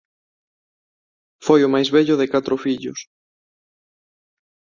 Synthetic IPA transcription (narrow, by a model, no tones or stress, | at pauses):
fojʊmajzβɛʎʊðɪkat̪ɾʊfiʎʊs